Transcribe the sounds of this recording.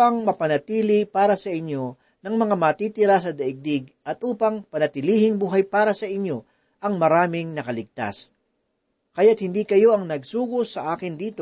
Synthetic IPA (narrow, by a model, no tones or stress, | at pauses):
ɐŋmɐpɐnɐt̪iːlɪpaːɾɐsɐʔɪnjo̞ | nɐŋmɐŋamɐt̪it̪ɪɾas̬ɐd̪ɐʔɪɡ̚d̪ɪɡ̚ʔɐt̪ʔuːpɐŋpɐnɐt̪ɪliːhɪŋbuːɦɐjpaːɾɐsɐʔɪnjo̞ | ʔɐŋmɐɾaːmɪŋnɐkɐlɪɡ̚t̪a̰s | kɐjat̪̚hɪnd̪iːkɐjo̞ʔɐŋnɐɡsuːɡosɐʔaːkɪnd̪iːt̪o